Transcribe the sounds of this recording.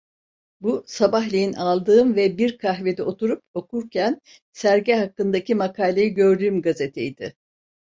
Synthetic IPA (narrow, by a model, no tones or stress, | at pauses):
busabaɦlʲejinalˠd̪ɯːmvɛbiɾkʰaɦve̞d̪ɛo̞t̪uɾupo̞kʰuɾcʰæn | sæɾɟɛɦakːɯnd̪acʰimakʰaːlʲejiɟø̞ɾd̪yːmɡazet̪ʰejid̪ɪ̰